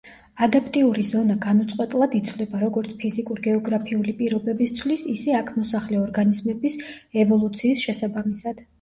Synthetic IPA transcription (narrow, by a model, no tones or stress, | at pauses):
ad̪apʰʼt̪ʼiuɾizɔnaɡanut̪sʼqʼwɛt̪ʼlˠad̪it̪sʰvlɛbaɾɔɡɔɾt̪sʰpʰizikʼuɾiɡɛɔɡɾapʰiulipʼiɾɔbɛbist̪sʰwlisisɛakʰmɔsaχlɛɔɾɡanizmɛbis | ɛvɔlˠut̪sʰiːsʃɛsabamisad̪̥